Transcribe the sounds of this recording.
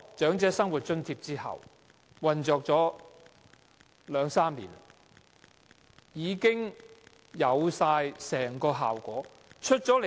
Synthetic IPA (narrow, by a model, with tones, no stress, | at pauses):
t͡ʃœː˨˥ŋt͡sɛː˨˥sɐ˥ŋwu˨t̚t͡ʃɵ˥ŋt̪ʰiː˧p̚t͡siː˥hɐ̰˨˩w | wɐ˨nt͡sɔː˨˧k̚t͡sɔː˨˥ | lœː˨˧ŋsaː˥mliː˨˩n | jiː˨˧kɪ˥ŋ | jɐ˨˧wsaː˧jsɛː˨˩ŋkɔː˧ɦa̰ː˨˩wkʷɔː˨˥ | t͡ʃʰɵ˥t̚t͡ʃɔː˨˥l